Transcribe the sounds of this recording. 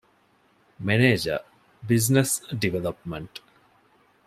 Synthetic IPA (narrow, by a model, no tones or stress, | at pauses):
meneːd͡ʒə̰ | biznesɖiʋelɐpmɐɳʈ